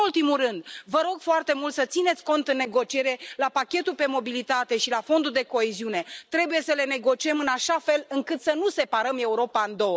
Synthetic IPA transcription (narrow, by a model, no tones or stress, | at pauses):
ult̪imuɾɨnd̪vəɾo̞ɡfoart̪e̞mult̪sət̪sine̞t̪sʲko̞nt̪ɨnːe̞ɡo̞t͡ʃie̞ɾe̞lapakʲe̞t̪ulpe̞mo̞bilit̪at̪e̞ʃilafo̞nd̪uld̪e̞ko̞eziune̞t̪ɾe̞buje̞səle̞ne̞ɡo̞t͡ʃie̞mɨnaʃafe̞lɨŋkɨt̪sənuse̞paɾəme̞uɾo̞paɨnd̪o̞wə